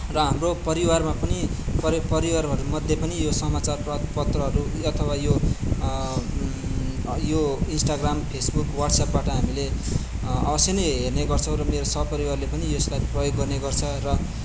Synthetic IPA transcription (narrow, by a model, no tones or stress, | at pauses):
rʌɦamropʌɾiwarmapʌnipʌpʌɾiwarɦʌɾumʌd̪ʱjepʌnijosʌmat͡sarpʌpʌt̪rʌɦʌɾuʌt̪ʰʌwajo | joinsʈaɡrampʰesbukwaʈsapbaʈʌɦamile | ʌ̰bʌsjenʌjɦerneɡʌrt͡sʰʌ̃w̃ɾʌmeɾosʌbpʌɾiwarlepʌnieslajprʌjoɡːʌrneɡʌrt͡sʰʌrʌ